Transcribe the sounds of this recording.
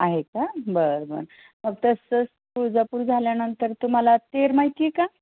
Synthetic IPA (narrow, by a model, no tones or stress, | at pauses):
aɦekabəɾbə̰ɾ | məɡt̪əsəs | pud͡zəpuɾd͡zʱaljanənt̪əɾt̪um̤alat̪eɾmaɦjt̪ieka